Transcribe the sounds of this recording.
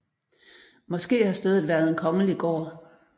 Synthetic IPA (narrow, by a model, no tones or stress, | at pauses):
mɒ̽sɡ̥e̝̰ːhɑ̈sd̥eːð̩ˠʋæːɐð̞ˠe̝nkʰɒ̽ŋəliɡ̥ɒ̰ː